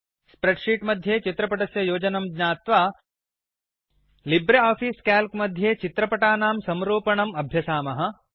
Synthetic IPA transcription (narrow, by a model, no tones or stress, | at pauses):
spɾeɖʂiːʈmɐd̪ʱjeːt͡ʃit̪ɾɐpɐʈɐsjɐjoːd͡ʒɐnɐmɡɲaːt̪ʋaː | libɾeaːfiːskaːlkmɐd̪ʱjeːt͡ʃit̪ɾɐpɐʈaːnaːmsɐmɾuːpɐɳɐmɐbʱjɐsaːmɐɦɐ̆